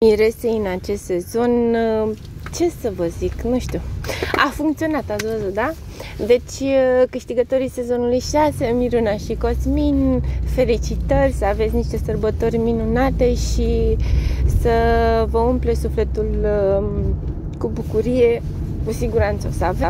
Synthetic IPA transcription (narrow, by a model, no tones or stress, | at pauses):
iɾe̞sejɨnat͡ʃe̞st̪se̞zo̞n | t͡ʃe̞səvəziknuʃt̪uafuŋkt̪sio̞nat̪at̪svəzut̪̚d̪a | d̪e̞t͡ʃʲkɨʃt̪iɡət̪o̞ɾise̞zo̞nulujʃase̞miɾunaʃiko̞sminfe̞lit͡ʃit̪ərʲsəavet̪sʲniʃt̪e̞sərbət̪orʲminunat̪e̞ʃi | səvəumple̞sufle̞t̪ul | kubukuɾije̞ | kusiɡuɾant̪səsava